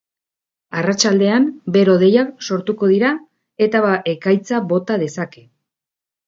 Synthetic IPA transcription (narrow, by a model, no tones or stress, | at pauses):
arat͡ʃald̪e̞ambe̞ɾo̞ð̞e̞jakso̞ɾt̪uko̞ð̞iɾa | e̞t̪aβaʔekajt͡saβo̞t̪að̞e̞sake̞